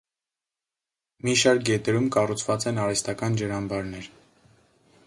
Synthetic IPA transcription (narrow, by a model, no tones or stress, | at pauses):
miʃɑɾk̚ɡɛt̪ɛɾumkɑrut͡sʰvɑt͡sɛnɑɾɛst̪ɑkɑnd͡ʒəɾɑmbɑɾnɛɾ